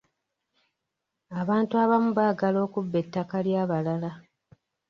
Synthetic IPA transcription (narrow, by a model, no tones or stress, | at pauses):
aβaːntuaβamuβaːɡalo̞ːkubːe̞tːakaljaːβalala